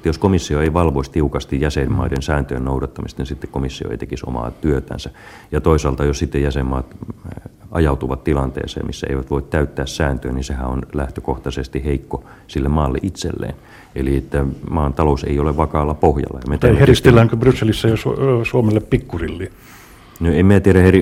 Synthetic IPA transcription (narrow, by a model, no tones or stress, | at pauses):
t̪ːæjoskomisːioeiʋɑlʋoist̪iukɑst̪ijjæsemmɑ̰idensæːnt̪øjennoudɑt̪ːɑmist̪nisit̪ːekkomisːio̰ḛit̪ekiso̰mɑ̰ːt̪yøt̪æ̰nsæ | jɑt̪oisɑːlt̪ɑjossit̪ːejjæsemːɑːt̪ | ʔɑjɑut̪uʋɑt̪t̪ilɑnt̪ḛːsḛːmḭsːæ̰ḛiʋæt̪ʋoit̪t̪æyt̪ːæːssæːnt̪øːninsehæonlæht̪økoht̪ɑsest̪iheikːo | silːemmɑːlːḛʔit̪sḛlːḛːn | eliet̪ːæmɑːnt̪ɑlosḛioleʋʋɑkɑːlːɑpohjɑ̰lːɑjɑmett̪æeeist̪elːæːŋkøbrysːelisːæjosusuomelːeppikːurilːiː | noemiæt̪iæɾæheri